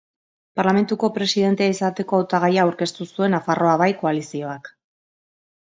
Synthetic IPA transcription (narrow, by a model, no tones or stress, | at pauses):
paɾlame̞nt̪uko̞pɾe̞siðe̞nt̪e̞aisat̪e̞ko̞awt̪aɣ̞ajaːwɾke̞st̪usue̞nafaro̞aβajko̞alisio̞ak